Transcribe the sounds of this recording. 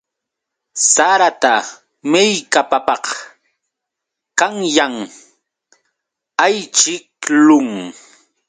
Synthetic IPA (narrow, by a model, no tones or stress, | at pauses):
saɾat̪a | mɪjkapapɑq | kaŋjaŋ | ajt͡ʃɪk̚lʊŋ